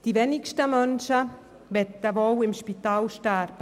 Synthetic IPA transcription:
d̥ivɛnɪkʃtəmœnʃə | vɛt̪̚dəvowɪmʃpit̪aːlʃtarp

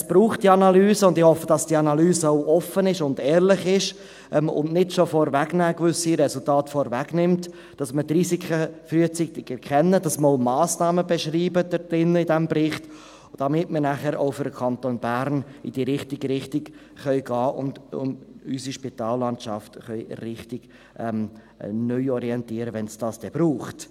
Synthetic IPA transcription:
sb̥ɾuːχt̚d̥iɑnɑlyːzəʊndɪχhɔfːəd̥ɑsd̥iːɑnɑlyːzəaʊʔɔfənɪʃʊndɛːɾlɪχɪʃ | ʔɛmʊ̰nnɪtʃofɔɾvæɡnæːkvʏsiɾɛsʊltɑːtfɔɾvæɡnɪmt | d̥ɑsmətriːsikʰəfryːət͡syːtɪɡɛɾkʰɛnːədɑsməɾoʊmɑːsnɑːməbɛʃriːbəd̥əd̥ɪnːəidɛmbɾɪχt | d̥ɑmɪtməɾnæχəɾoʊfʏɾdəkʰɑntonbæɾnɪd̥iːɾɪχtɪɡəɾɪχtɪɡ | χœʏɡɑːʔʊ̰ndʊ̰nysiʃpitɑːlːɑntʃɑftχœʏrɪχtɪɡ̥ | ʔɛm | nœʏɔɾiɛntiːɾəʋɛnsd̥ɑːsd̥ɛb̥ɾuːχt

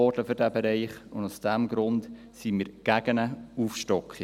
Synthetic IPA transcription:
ɔrdləfʏɾdæbɛɾɛɪχʊndusd̥æmɡɾʊnt | simiːɾɡ̥æɡ̥ənəufʃtɔkχi

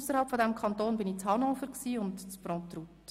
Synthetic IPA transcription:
usəɾhɑlpfɔdæmkʰɑnt̪oːnbɪnit͡shɑnɔfəɾksiːʊntt͡spɾɔ̃ːt̪ɾut̪

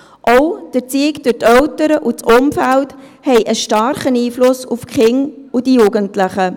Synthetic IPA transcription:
ʔɔʊd̥əɾt͡siɪkd̥ʊɾtœʊtəɾəʔut͡sʊmfælt | hɛɪʔəʃtɑɾχəniːflʊsufkχɪŋʊd̥ijuɡəntlɪχə

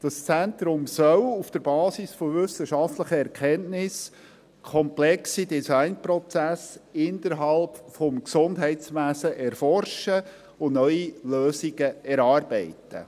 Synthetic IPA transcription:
d̥ɑst͡sænt̪ɾʊmsœlufd̥əɾbɑːsisfoʋʏsəʃɑftləχəɛɾkʰɛnnɪs | kʰɔmplɛksidisɑɪnpɾɔt͡sæsɪndəɾɦɑlpfɔmksʊndɦɛɪtt͡sʋæsəʔɛɾfɔrʃə | ʊnœʏiløːsiɡ̥əɛɾɑːɾbɛɪtə̰

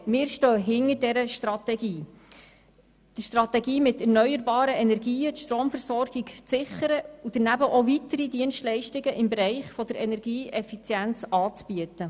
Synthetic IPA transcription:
mɪːɾʃtøːɦɪŋəɾdɛɾəʃtrɑtɛɡiː | d̥iʃtrɑt̪ɛɡiːmɪtɛrnœʏjəɾbɑːɾəɛnɛɾɡiːətʃtɾoːmfəɾsɔɾɡ̥ikt͡sɪχəɾəud̥̪ənæbəʔovitəɾid̪iənstlɛɪʃtɪɡəʔɪmbeɾɛɪχfɔd̪əɾɛnɛɾɡiːʔɛfit͡sjænt͡sɑːt͡sb̥iətə

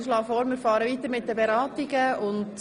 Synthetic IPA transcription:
slɑːfɔːɾmɪɾfɑːɾəʋiːt̪əɾmɪt̚d̥əbɛɾɑːtiɡəʊnd

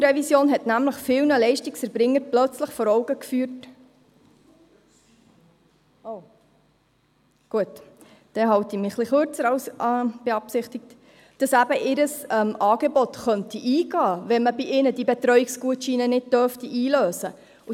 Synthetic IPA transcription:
ɾɛvisjoːnɦɛtnæmləχfɪlnəlɛɪʃtɪksɛɾbɾɪŋːəɾplœt͡sləχfɔɾɔʊɡəkfyːɾt | oʊ | ɡ̥uət | d̥ɛɦɑwtimiχliχøɾt͡səɾɑwsb̥eɑpsɪχtɪk̚t | d̥ɑsæbəʔɪɾəsɛmɑːɡ̥ebɔt̪χœntiʔiːɡɑːʋɛnməbiʔɪnədibɛt̪ɾœʏikskuətʃiːnənɪd̚d̥œftiʔiːløːsə | u

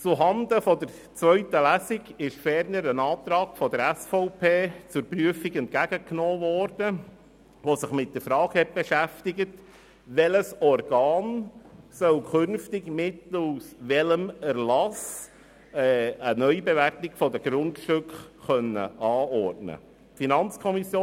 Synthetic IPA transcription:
t͡suɦɑnd̪əfɔd̪əɾ | t͡sʋœʏtəlæsɪɡɪʃfɛɾnəɾənɑːt̪ɾɑːɡ̥fɔd̪əɾæsfɔʊpʰeːt͡sʊɾpryəfiɡɛnt̚kæɡ̥əknoːʋɔɾd̥ə | ʋosɪχmɪt̚d̥̪əɾfɾɑːɡ̥hɛt̚b̥eʃæftɪɡət | ʋɛləsɔrɡ̥ɑːnsœwkʰʏnftɪɡmɪtusʋɛləmæɾlɑs | ɛənœʏbeʋærtɪɡfɔd̪əɡ̥ɾʊntʃtʏkχœnːə̰ʔɑːɔrtnə̰ | finɑnt͡skʰɔmisjoː

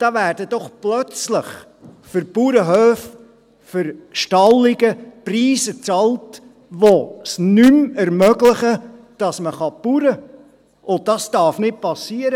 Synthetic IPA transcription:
d̥ɑːvæːɾd̥əd̥ɔχplœt͡sləχ | fʏɾpuːɾəɦøːf | fʏɾʃtɑlːɪɡəpriːsət͡sɑlt | ʋosnymɛɾmœɡlɪχə | d̥ɑsməχɑpuɾə | ʔʊnd̥ɑsd̥ɑrfnɪt̚pɑsiːəɾə

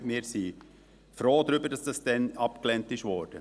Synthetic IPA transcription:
mɪːɾsi | fɾoːdɾʏbəɾd̥ɑsd̥ɑsd̥ɛnɑpklɛntɪʃʋɔːɾd̥ə

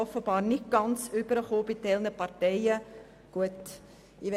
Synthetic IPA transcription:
ɔfəbɑːɾnɪt̚ɡ̥ɑnt͡sybəɾəχoːb̥ɪtɛlnəpɑrtɛɪə | ɡ̥uət | ɪʋɛ

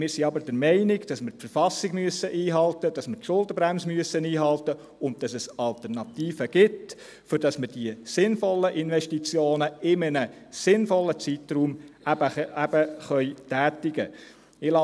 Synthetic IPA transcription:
mɪːɾsiɑbəd̥ɛɾmɛɪnɪɡd̥ɑsməɾpfəɾfɑsːiɡ̥myəsəʔiːɦɑltəd̥ɑsmətʃʊldəbɾæmsəmyəsəniːɦɑltə | ʊnt̚d̥ɑsɛsɑlt̪ɛrnɑtiːfəɡ̥ɪt | fʏɾd̥ɑsməɾd̥iəsɪnfɔlːəʔɪnʋɛʃtit͡sjoːnəɪmənəsɪnfɔlːət͡sitruːmæbəæb̥əχœʏtæːtɪɡə | ɪlɑ

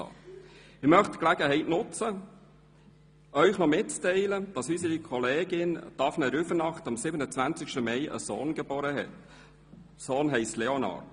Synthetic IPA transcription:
ɑ̰ː | ɪmœχtklæɡ̥əɦɛɪtnʊt͡sə | œʏχnɔmɪt̚t͡stɛɪləd̥ɑsysəikʰɔleːɡɪnd̥ɑfnɛɾʏfənɑχtɑmsɪbənət͡svænt͡sɪkʃtəmɛɪʔə̰soːnɡeboːɾəɦɛ̰t | soːnɦɛɪstlɛonɑ̰ːrd

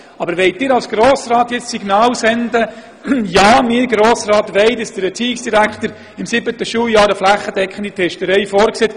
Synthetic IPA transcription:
ɑbəɾʋɛɪtɪːɾɑlsɡ̥ɾoːsraːtjɛt͡ssiɡnɑːlsɛnd̪ə | jɑːmɪːɾɡɾoːsrɑːtʋɛɪtəsd̥əbɛt͡siːɪksd̥iɾækχtəɾ | ɪmsɪbət̪əʃuːljɑːɾəflæχːədɛkʰχən̩d̥̪itʰɛʃtəɾɛɪfɔːɾkseːt

